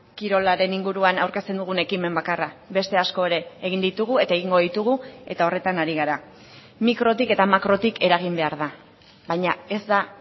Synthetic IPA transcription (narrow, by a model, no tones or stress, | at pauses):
kiɾo̞laɾe̞niŋɡuɾuanawɾke̞st̪e̞nd̪uɣ̞une̞kime̞mbakaraβe̞st̪e̞asko̞e̞ɾe̞ːɣ̞ind̪it̪uɣ̞ue̞t̪aeɣ̞iŋɡo̞ðit̪uɣ̞ue̞̰t̪ao̞re̞t̪anaɾiɣaɾa | mikɾo̞t̪̬ike̞t̪amakɾo̞t̪ike̞ɾaɣ̞imbe̞aɾð̞a | bajɲae̞zd̪a